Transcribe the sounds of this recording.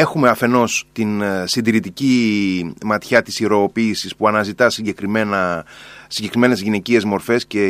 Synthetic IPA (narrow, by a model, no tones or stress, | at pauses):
e̞xume̞ɐfe̞no̞st̪insind̪iɾit̪ici | mɐt̪çɐt̪i̥siɾo̞ːpiːsispuɐnɐzit̪ɐsiɲɟe̞kɾimenɐsiɲɟe̞kɾime̞ne̞zʝine̞cie̞zmo̞ɾfe̞sce̞